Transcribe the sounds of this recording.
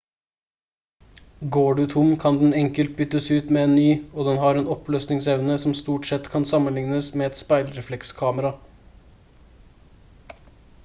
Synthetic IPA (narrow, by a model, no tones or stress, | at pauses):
ɡoːɖʉt̪ʰʊmkʰɑnd̪n̩ɛŋkəlt̪̚bʏt̪ːəsʉːt̪meːeːnnyːoːd̪ɛnɦɑɾeːnɔpløːsnɪŋsɛʋnəsɔmst̪uːʈsɛt̪ːkʰɑnsɑmənlɪŋnəsmeːɛt̪spæɪlɾɛflɛkskʰɑːməɾɑ